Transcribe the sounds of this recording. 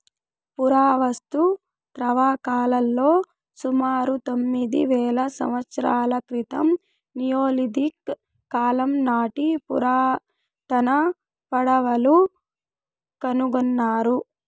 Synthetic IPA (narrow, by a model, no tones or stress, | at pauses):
puɾaːʋɐst̪u | t̪ɾɐʋaːkaːlɐlːo̞ː | sumaːɾut̪o̞mːid̪ḭʋɛːlɐsɐ̰mʋɐt̪sɐɾaːlɐkɾit̪ɐm | nijoːlid̪ikː | aːlɐmnaːʈipṵɾaː | t̪ɐnɐ | pɐɽɐʋɐlu | kɐnuɡunːaːɾu